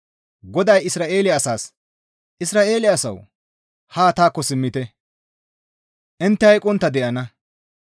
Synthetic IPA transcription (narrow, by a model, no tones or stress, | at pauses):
ɡɔd̪ɐjɪsɾaːʔe̞ːlɪɐsaːs | ʔɪsɾaːʔe̞ːlɪɐsɐ̰w | haːt̪aːkːɔsɪmːɪt̪ɛ | ʔɪnt̪ːɛhɐjkʼɔnt̪ːɐd̪ɛʔɐnɐ